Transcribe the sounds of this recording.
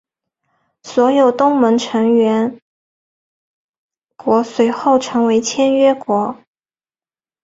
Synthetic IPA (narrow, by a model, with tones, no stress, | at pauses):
swɔ˧˥jo˨˩ʊt̪ʊ˥ŋmə˧˥ŋʈ͡ʂʰɤ˧˥ŋɥɛ˧˥n | kwɔ˧˥swe˧˥ɪxo˥˩ʊʈ͡ʂʰɤ˧˥ŋwe˧˥ɪt͡ɕʰjɛ˥nɥɛ˥kwɔ˧˥